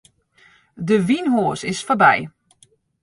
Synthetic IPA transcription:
dəʋinɦoːsɪsfɔrbɛj

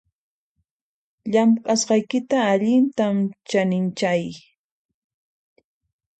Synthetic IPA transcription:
ʎamqʼasɢɑjkɪt̪aːʎɪnt̪amt͡ʃanɪnt͡ʃaj

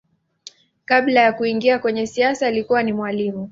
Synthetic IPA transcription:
kaɓlajakuiŋɡiakwɛɲɛsiasaːlikuwanimwalimu

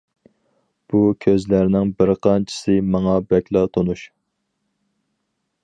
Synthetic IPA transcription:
b̥ukʲʰøzlæɾnɪŋbɪɾqʰɑnt͡ʃʰɪ̥sɨmɑŋɑbɛkʲlˠɑt̪ʰonuʃ

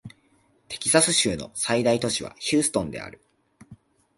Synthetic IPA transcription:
t̪e̞̥kʲi̥sasɨɕɨːno̞̰said̪ait̪o̞ɕiβa̰çɨːsɨ̥t̪õ̞nd̪e̞̰a̰ɾɯ̟

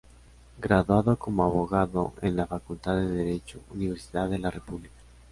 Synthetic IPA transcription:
ɡɾaðwaðokomoaβoɣaðo̰enlafakult̪aðeðeɾet͡ʃouniβ̞eɾsiðaðelarepuβlikḁ

